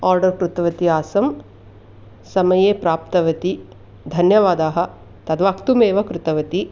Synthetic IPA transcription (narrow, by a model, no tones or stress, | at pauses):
aːɾɖɐɾkɾut̪ɐʋɐt̪iaːsɐm | sɐmɐjeːpɾaːpt̪ɐʋɐt̪i | d̪ʱɐnjɐʋaːd̪aːɦɐ̆ | t̪ɐd̪ʋaːkt̪umeːʋɐkɾut̪ɐʋɐt̪i